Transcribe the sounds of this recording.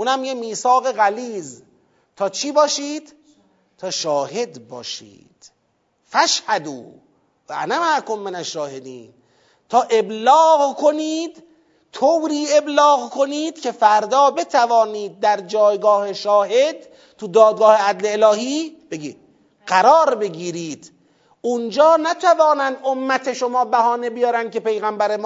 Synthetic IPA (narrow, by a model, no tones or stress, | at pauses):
ʔuːnæmjemiːsɒːɣeɣæliːz | t̪ʰɒːt͡ʃʰiːbɒːʃiːd̪̥ | t̪ʰɒːʃɒːɦe̞d̪bɒ̰ːʃḭːd̪̥ | fæʃhæd̪uː | væʔæ̰næmaʔkomːenæʃːɒːhed̪iːn | t̪ʰɒːʔe̞blɒːɣkʰo̞niːd̪ | t̪ʰowɾiːe̞blɒːɣkʰo̞niːd̪̥̚cʲʰe̞fæɾd̪ɒːbe̞t̪ʰævɒːniːd̪̚ːæɾd͡ʒɒːjɡɒːhe̞ʃɒːhed̪ | t̪ud̪ɒːd̪̚ɡɒːhe̞æd̪leːlɒːhiːb̥eɡiːd̪̥ | ɢæɾɒːɾbe̞ɡiːɾiːd̪̥ | ʔund͡ʒɒːnæt̪ʰævɒːnænd̪omːæt̪ʰe̞ʃomɒːbæhɒːne̞bijɒːɾænd̪̚ke̞pe̞jɣæmbæɾemː